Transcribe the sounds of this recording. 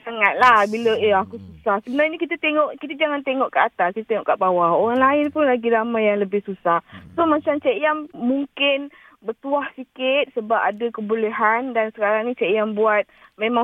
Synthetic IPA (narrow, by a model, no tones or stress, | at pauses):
saŋat̪̚lahbiləəakususahsəbənarɲakit̪ət̪eŋɔʔkit̪ad͡ʒaŋant̪eŋɔʔkaʔat̪askit̪at̪eŋɔ̰ʔkaʔbawahoɾaŋlaɪnpʊnlaɡilamajaŋləbɪhsusahsomat͡ʃamt͡ʃeʔjaŋmuŋkɪn | bərt̪uahsikɪt̪̚səbapadakəbuleɦandansəkaɾaŋnĩt͡ʃeʔjaŋbuat̪̚memã